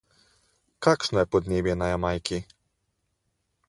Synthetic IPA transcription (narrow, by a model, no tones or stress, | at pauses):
kaːkʃnɔjɛpɔd̪neːmjɛnajamajki